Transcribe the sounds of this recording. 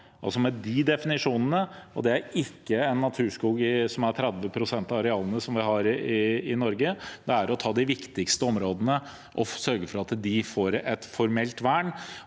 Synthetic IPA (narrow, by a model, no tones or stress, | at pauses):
ʔɑ̰lsɔmɛd̪ɪd̪ɛfɪnɪʂuːnənəɔ̰d̪ɛæɾɪkːəɛnːɑt̪ʰʉːʂkuːɡɪsɔmæɾt̪ʰɾɛd̪ʋəpʰɾʊsɛnt̪ɑɑɾɛɑːlənəsɔmʋɪɦɑɾɪɪnɔɾɡəd̪ɛæɾɔt̪ʰɑːd̪ɪʋɪkt̪ɪkst̪əɔmɾoːd̪ənə | ʔɔsœɾɡəfɔɾɑt̪d̪ɪfoːɾɛt̪fɔɾmɛlt̪ʋæɳ